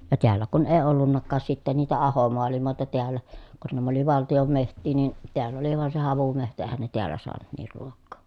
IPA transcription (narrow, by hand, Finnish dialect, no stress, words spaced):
jɑ teælːæ kun eˑi olːunːɑkːɑːs sitːen niːtæ ɑhomoɑlimoˑetɑ teælːæ kun næm oli ʋɑltijom mehtˑiː nin̞ teælː oli ʋɑˑen se hɑʋumehtæ eˑhæn ne teælːæ soɑnu niːr ruokːoː